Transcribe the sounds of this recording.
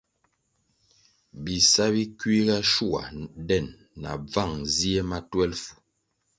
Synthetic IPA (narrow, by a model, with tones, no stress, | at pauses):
bi˨sa˦bi˦kɥi˦ɡa˦ʃu˦˨a̰˨dɛ˦˨nː | a̰˨b͡va˦˨ŋzi˦e˦ma˦twɛ˦lfu̥˨